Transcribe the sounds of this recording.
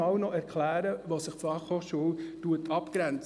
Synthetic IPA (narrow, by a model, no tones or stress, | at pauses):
ɑwnɔʔɛɾkʰlæːɾəʋɑːssɪχfɑχhoːʃuəltuətʰɑpkɾɛnt͡s